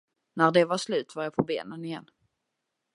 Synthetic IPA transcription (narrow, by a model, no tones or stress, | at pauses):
næɾɖ̪ɛvaʂlʉ̟ːt̪vaɾjapʰɔbḛːnənɪjɛ̰nː